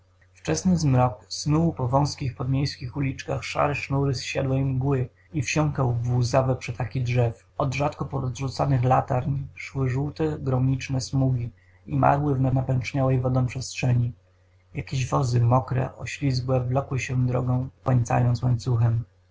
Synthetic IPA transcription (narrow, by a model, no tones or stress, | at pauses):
ft͡ʂɛsnɘzmɾɔksnuwpɔvɔ̃w̃skʲixpɔd̪mʲjejskʲixulʲit͡ʂkaxʂa̰ɾɛʂnuɾɘsɕad̪wɛimɡwɘ | ifɕɔŋkawvuzavɛpʂɛt̪akʲidʐɛf | ɔd̪ʐat̪kɔpɔɾɔzʐut̪sanɘxlat̪aɾɲʂwɘʐuwt̪ɛɡɾɔmʲit͡ʂnɛsmuɡʲi | ima̰ɾwɘvnanapɛnt͡ʂɲawɛjvɔd̪ɔ̃w̃pʂɛstʂɛɲi | jakʲeʑvɔzɘmɔkɾɛ̰ʔɔɕlʲizɡwɛvlɔkwɘɕɛd̪ɾɔ̰ɡɔ̃w̃pɛɲt̪sa̰jɔnt̪swaɲt̪suxɛm